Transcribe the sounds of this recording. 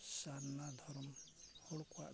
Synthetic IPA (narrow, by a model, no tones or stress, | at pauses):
sannad̪ʱɔɾɔmhɔɽka̰ʔ